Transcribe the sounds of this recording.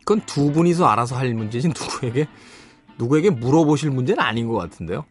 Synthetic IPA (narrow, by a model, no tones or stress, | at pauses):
kɯntubuɲis̬ʰʌaɾas̬ʰʌɦamund͡ʑed͡ʑinnuɡue̞ɡe̞ | nuɡue̞ɡe̞muɾʌboɕʰiɭmund͡ʑe̞ɾɯa̰ɲinɡʌk͈atʰɯnde̞jo